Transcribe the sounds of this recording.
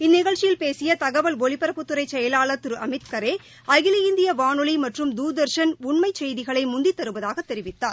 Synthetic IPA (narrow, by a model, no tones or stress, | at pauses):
ɪnːɪɣɐɭt͡ʃːɪjɪlpeːsɪjɐt̪ɐɣɐʋɐlʋɔɭɪpːɐɾɐpːɯt̪ːɯɾɐɪt͡ʃːɛjɐlaːlɐt̪ɯɾɯʔɐmɪt̪kɐɾeː | ɐɣɪlɐjɪnd̪ɪjɐʋaːɳɯɭimɐʈrɯmd̪uːd̪ɐɾʂɐnʊɳmɐɪt͡ʃːɛjðɪɣɐɭɐɪmʊnd̪ɪt̪ːɐɾɯʋɐðaːɣɐt̪ːɛɾɪʋɪt̪ːaːɾ